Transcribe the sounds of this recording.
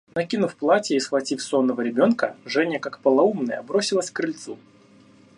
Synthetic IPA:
nɐkʲinʊfplˠatʲjəisxvɐtʲifsonːəvəɾʲɪbʲo̞nkəʐɛnʲjəkakpəlˠɐumnəjə̰bɾo̞sʲɪlˠəsʲkɾɨlʲt̪su

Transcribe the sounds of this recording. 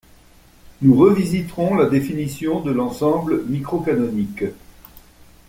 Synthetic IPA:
nuʁəvizit̪ʁɔ̃lad̪efinisjɔ̃d̪əlɑ̃sɑ̃bləmikχɔkanɔnik

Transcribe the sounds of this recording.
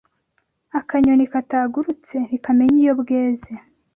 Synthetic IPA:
akaɲonikataːɡuɾut͡se̞n̥ikame̞ɲijobɡe̞ːze

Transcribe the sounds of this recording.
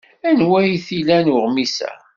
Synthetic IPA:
ænwæjiθilænʊʁmisæ̰

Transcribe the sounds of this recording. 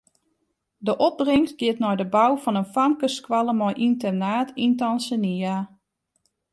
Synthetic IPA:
dəʔɔp̚brɪŋst̚ɡɪətnɔjdəbawfɔnənfamkəskwalˠəmɔjʔintərnaːtʰintɔnsənia

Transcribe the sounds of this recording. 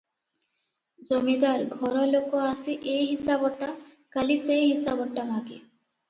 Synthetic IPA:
d͡zomid̪aɾɡʱɔɾɔlokɔasiʔejɦisabɔʈːa | kalisejɦisabɔʈːamaɡe

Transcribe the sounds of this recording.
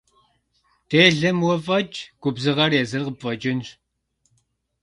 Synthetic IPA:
teːɮɐmwɐfʼɐt͡ʃʼɡ̥ʷʊbzɨʁɐrjezɨrqəpfʼɐd͡ʒɪnr

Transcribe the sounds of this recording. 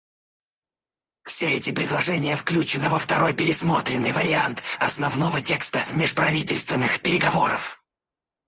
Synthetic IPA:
fsʲeɛtʲɪpɾʲɪd̪lˠɐʐɛnʲɪjəfklʲut͡ɕɪnɨvəft̪ɐɾo̞jpʲɪɾʲɪsmo̞t̪ɾʲɪnːɨjvəɾʲɪant̪ɐsnɐvnovətʲekst̪əmʲɪʂpɾɐvʲitʲɪlʲst̪vʲɪnːɨxpʲɪɾʲɪɡɐvo̞ɾə̰f

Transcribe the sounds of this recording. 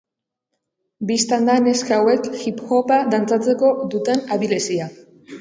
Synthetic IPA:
bist̪and̪aneskawe̞kxipxo̞pad̪ant͡sat͡se̞ko̞ðut̪e̞naβilesia

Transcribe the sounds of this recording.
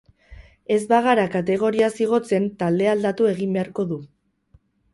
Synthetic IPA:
e̞zbaɣ̞aɾakat̪̬e̞ɣ̞o̞ɾiasiɣ̞o̞t͡se̞nt̪ald̪e̞ald̪at̪ue̞ɣ̞imbe̞aɾko̞ðu

